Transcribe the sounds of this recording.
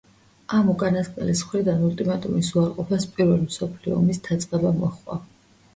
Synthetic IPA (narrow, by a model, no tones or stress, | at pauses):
amukʼanaskʼɛ̰lisχwɾid̪anult̪ʼimat̪ʼumisuaɾqʼɔpʰaspʼiɾvɛlimsɔpʰliɔ̰ːmisd̪ʰat̪sʼqʼɛbamɔχwa̰